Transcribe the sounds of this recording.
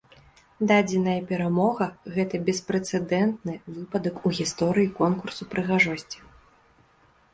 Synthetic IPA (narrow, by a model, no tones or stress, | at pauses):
d̪ad͡zʲɪnɐjɐpʲɛɾamɔɣɐɣɛt̪ɐbʲɛspɾɛt̪sɛd̪ɛnt̪nɨvɨpɐd̪ɐkuɣʲist̪ɔɾɨjikɔnkursupɾɨɣaʐɔsʲt͡sʲi̥